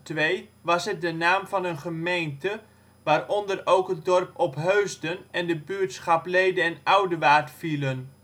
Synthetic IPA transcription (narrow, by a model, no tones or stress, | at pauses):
tʋejʋɑsɦət̚dənaːmfɑnənχəmejntə | ʋaːrɔndərowkɦət̚dɔrpʰɔpɦøɥzdənɛndəbyətsχɑplejdəɛnawdəʋaːrtfilˠən